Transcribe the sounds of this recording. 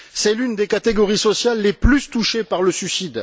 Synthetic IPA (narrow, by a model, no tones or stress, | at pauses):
sɛlynd̪ekat̪eɡɔʁisɔsjalːeplyst̪uʃepaʁləsysid̪